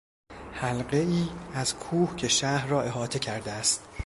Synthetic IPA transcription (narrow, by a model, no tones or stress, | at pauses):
hælɢe̞iːæz̥kʰuːhcʰe̞ʃæhrɒːe̞ɦɒːt̪ʰe̞cʰæɾd̪eæst̪